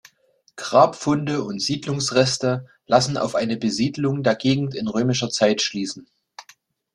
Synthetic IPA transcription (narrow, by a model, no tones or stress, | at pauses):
ɡ̥ʁaːpfʊndəʊntz̥iːdlʊŋsʁɛstə | lʔasn̩a̰ʊfʔaɪnəbəziːdlʊŋdeːɐɡeːɡŋ̩tɪnʁøːmɪʃɐt͡saɪtʃliːsn̩